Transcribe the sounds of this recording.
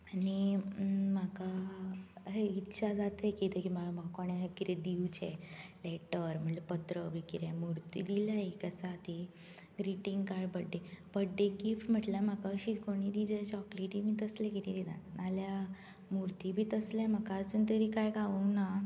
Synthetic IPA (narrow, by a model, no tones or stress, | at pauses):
ani | m̤aka | ɦeit̪ːɕʰad͡zat̪ekit̪ekimamakoɽ̃ekiɾed̪iwt͡ɕḛleʈəɾm̤əɳlepət̪ɾəbʱikiɾemuɾt̪id̪ilaekəsat̪i | ɡɾiʈiŋɡkaɖbəɖːebəɖːekifʈm̤əʈljam̤akaɕiːkoɽ̃iːd̪id͡ʑet͡ɕɔkleʈimiːt̪əslẽkit̪et̪id̪a̰nalja | muɾt̪ibʱiːt̪əslẽm̤akaəsuːnt̪əɾiːkajɡaʋuna